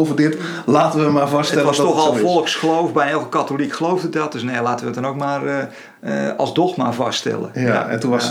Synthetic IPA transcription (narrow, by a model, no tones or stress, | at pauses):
vədɪt | laːtəʋəəmaːrvɑstəɛləʋɔstoxɔlˠfɔlˠəksxəlowfbɛjɛlˠkəkatolikxəlowvdət̚dɔt̚døsnelaːtəʋəətdɔnowk̚maːr | ɑ̰lˠzdoxma̰ːvɑstɛ̰lˠə̰ja̰ɛntuʋɔ